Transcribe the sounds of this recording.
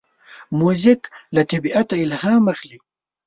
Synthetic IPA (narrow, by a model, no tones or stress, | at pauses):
muzɪklat̪abiʔat̪aɪlhamaxli